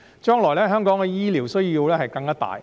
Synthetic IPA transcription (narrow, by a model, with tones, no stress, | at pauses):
t͡ʃœː˥ŋlɔː˨˩jlɛː˥ɦœː˥ŋkɔː˨˥ŋkɛː˧jiː˥liː˨˩wsɵ˥ɥjiː˧wlɛː˥hɐ˨jkɐ˧ŋɐː˥t̪a̰ː˨˩j